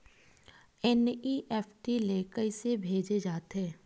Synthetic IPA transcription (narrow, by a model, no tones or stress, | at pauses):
ɛniʔɛːpʈileːkəisebʱeːd͡ʒed͡ʒaːt̪ɦɛː